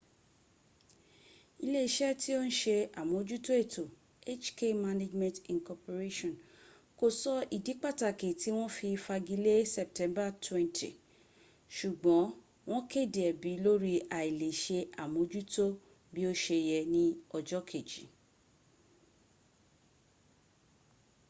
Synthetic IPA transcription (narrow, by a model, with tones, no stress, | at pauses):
i˧le˦˨i˨ʃɛ˦ti˦o˦ñ̩˦ʃe˧a˨mõ˨˦d͡ʒu˦to˦e˦˨tʰo˨ | e˦t͡ʃke˦ma˧ne˦d͡ʒmɛ̃˨ntĩ˨kɔ˧po˨ɾe˦ʃɔ̃˨n | ko˦˨sɔ˦ʔi˨di˨˦k͡pa˦˨ta˨ke˨ti˨˦w̃ɔ̃˦fi˧fa˧ɡi˦le˦sɛ˨p̚tɛ̃˦mba˦˨twɛ̃˦ntʰḭ˨ | ʃu˨ɡ͡bɔ̃˨˦ | w̃ɔ̃˦ke˦˨de˨ɛ˨bi˨˦lo˦ɾi˧ʔa˨i˨le˨ʃe˧ʔa˨mõ˨˦d͡ʒu˦to˦ | bi˦o˦ʃe˧jɛ˧nĩ˦ɔ˧d͡ʒɔ˦kʰe˨d͡ʒi˨˦